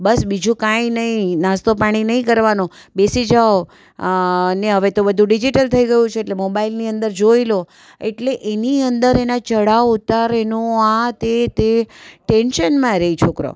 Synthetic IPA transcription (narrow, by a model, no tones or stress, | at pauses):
bəsbid͡ʒũkãinəɦĩnast̪opaɽ̃inəɦĩkəɾʋanõbesid͡ʒao | neɦəʋet̪obəd̪ʱũɖid͡ʒiʈəlt̪ʰəiɡəjũt͡ʃʰeːʈlemobailniənd̪əɾd͡ʒoilo | eʈleʔeniənd̪əɾenat͡ʃəɽaʋut̪aɾenũat̪et̪eʈenʃənmãɾeit͡ʃʰokɾo̰